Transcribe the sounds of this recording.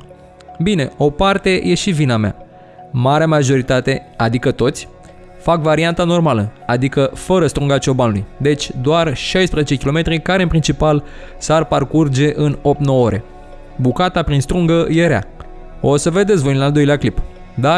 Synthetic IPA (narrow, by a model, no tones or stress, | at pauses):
bine̞o̞part̪e̞jʔe̞ʃivinamea̰ | maɾeamaʒo̞ɾit̪at̪e̞ad̪ikət̪o̞t̪sʲ | fakvaɾiant̪ano̞rmaləad̪ikəfəɾəst̪ɾuŋɡat͡ʃo̞banulujd̪e̞t͡ʃʲd̪oarʃajspɾezet͡ʃe̞kʲilo̞me̞t̪ɾikaɾeɨnpɾint͡ʃipal | sarparkurd͡ʒe̞ʔɨno̞pt̪nowoɾe̞̰ | bukat̪apɾinst̪ɾuŋɡəje̞ɾea̰ | o̞səve̞d̪esvojnnald̪o̞jleaklip | d̪a